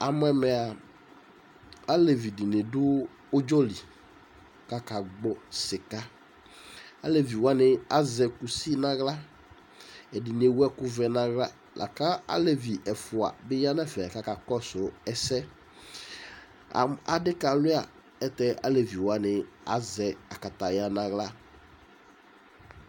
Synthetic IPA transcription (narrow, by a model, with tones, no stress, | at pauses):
a˨m˦ɛ˨mɛ˨a˨ | a˦le˨vi˨di˨nɪ˨dʊ˦ | ʊ˦d͡ʒo˦li˨ | ka˦ka˨ɡ͡bɔ˦sɪ˨ka˦ | a˦le˨vi˨wa˦nɪ̃˦a˦zɛ˨ku˨si˦nã˦ɣla˦ | ɛ˨di˨ne˨wu˦ɛ˦kʊ˦vɛ˨nã˦ɣla˦ | lʔa̰˨ka˦a̰˦le˨vi˨ʔɛ˨fʊ˨a̰˨bɪ˦ja˦nɛ̃˦fɛ˨a˨ka˦ka˨kɔ˦sʊ˨ɛ˨sɛ˦ | a̰˨a˨dɪ˦ka˨lʊ˦a̰˨ | ɛ˦t̪ɛ˦ʔa˦le˨vi˨wo˨˦a˦nɪ˨ | a˨zɛ˨a˨ka˨t̪a˨ja˦nã˨ɣla˦